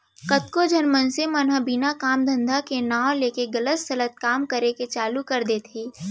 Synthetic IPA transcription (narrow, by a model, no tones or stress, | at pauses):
kət̪̚kod͡ʒʱɐnmənsemənɦəbinakaːmd̪ʱɐ̃nd̪ʱakenaːwleːkeɡɐlət̪sɐlət̪̚kaːmkəɾeket͡ʃaːlukɐɾd̪eːt̪ʰeː